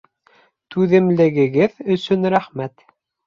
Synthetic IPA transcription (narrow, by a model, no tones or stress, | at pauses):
t̪ʉðɘ̆mlɘ̆ɡɘ̆ɡɘðɵ̆sɵnɾæχmæt̪